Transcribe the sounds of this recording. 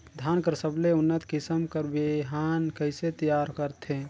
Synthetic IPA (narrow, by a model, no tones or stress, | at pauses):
d̪ʱankəɾsəbleʊnːət̪kɪsəmkəɾbeɦankəɪset̪əjaːɾkəɾt̪ʰẽ